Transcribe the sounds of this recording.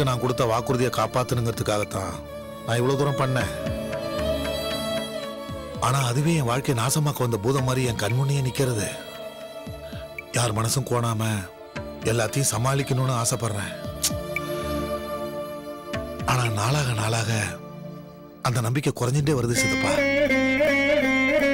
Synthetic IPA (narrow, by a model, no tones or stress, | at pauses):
ɯnãːŋkʊɽɯt̪ːɐʋaːkɯɾɯðɪjɐkaːpaːt̪ːɯnɯŋɡɐɾɐðɯkːaːɣɐt̪ːãː | nãːɪʋːɐɭoːd̪uːɾɐmpɐɳːẽː | aːnaːɐðɯʋeːɛ̃ʋaːɻkɐjɐnaːsɐmaːkɐʋɐnd̪ɐbuːðɐmaːd̪ɾiɛŋkɐnmʊnːɪjɐnɪkːɪɾɐðɯ | jaːɾmɐnɐsɯ̃koːɳaːmɐ | ɛlːaːt̪ːɐjʊ̃sɐmaːlɪkːɐnʊ̃nɯaːsɐpːɐɾɐɾɛ̃ː | aːnaːnaːɭaːɣɐnaːɭaːɣɐ | ɐnd̪ɐnɐmbɪkːɛkʊɾɐɲd͡ʒɪnɖeːʋɐɾɯðɯsɐðɯpːaːɾ